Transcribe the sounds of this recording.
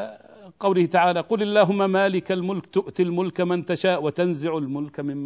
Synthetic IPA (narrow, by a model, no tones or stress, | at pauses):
qɑwlɪhɪt̪aʕaːlaːqʊlalːaːɦʊmːamaːlɪkalmʊlkt̪ʊʔt̪ɪlmʊlkmɪnt̪aʃaːʔwat̪anzɪʕalmʊlkmɪmː